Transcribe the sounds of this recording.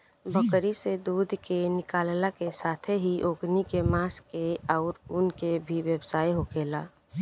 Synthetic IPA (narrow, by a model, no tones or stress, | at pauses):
bəkɾised̪uːd̪ʱkenɪkaːllakesaːt̪ʰeɦiʔoːɡnikemaːskeɔːɾʊnkebʱiʋjəbsaːiɦokeːlaː